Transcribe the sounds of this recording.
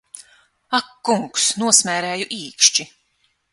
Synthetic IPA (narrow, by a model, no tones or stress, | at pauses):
akːuŋksnuɔsmʲæːɾæːjuʔiːkʃt͡ʃi